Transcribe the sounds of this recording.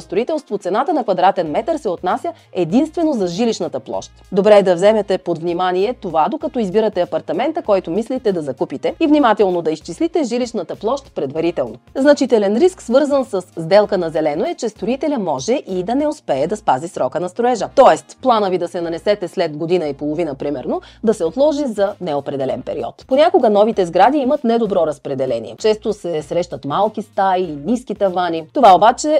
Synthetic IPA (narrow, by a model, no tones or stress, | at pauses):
st̪ɾoit̪ɛlˠst̪vot̪sɛnat̪ənɐkvɐd̪ɾat̪ɛnmɛt̪əɾsɛot̪nasʲjə | ɛd̪inst̪vɛnozɐʒiliʃnət̪əplˠɔ̰ʃt̪d̪obɾɛd̪ɐvzɛmɛt̪ɛpod̪vnimaniɛt̪ovad̪okɐt̪ɔizbiɾɐt̪ɛɐpɐɾt̪ɐmɛnt̪əkɔjt̪omislit̪ɛd̪ɐzɐkupit̪ɛivnimat̪ɛlˠnod̪ɐist͡ʃislit̪ɛʒiliʃnət̪əplˠɔʃt̪pɾɛd̪vɐɾit̪ɛlˠnoznɐt͡ʃit̪ɛlɛnɾisksvɤɾzənsəszd̪ɛlˠkənɐzɛlɛnoɛt͡ʃɛst̪ɾoit̪ɛlʲɐmɔʒɛʔid̪ɐnɛospɛːd̪ɐspazisɾɔkənɐst̪ɾoɛʒət̪ɔɛst̪plˠanəvid̪ɐsɛnɐnɛsɛt̪ɛslɛd̪ɡod̪inəipolˠovinəpɾimɛɾnod̪ɐsɛot̪lˠɔʒizɐnɛopɾɛd̪ɛlɛ̰npɛ̰ɾḭɔ̰t̪ponʲakoɡənɔvit̪ɛzɡɾad̪iimət̪nɛd̪obɾɔɾɐspɾɛd̪ɛlɛnḭɛ̰t͡ʃɛst̪osɛsɾɛʃt̪ɐt̪malˠk̟ist̪ainiskit̪ɐvanit̪ovaobat͡ʃɛ